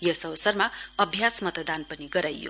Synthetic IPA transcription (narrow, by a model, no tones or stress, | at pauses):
jʌsʌwsʌrmaʌbʱjasmʌt̪d̪anpʌniɡʌɾajːo̰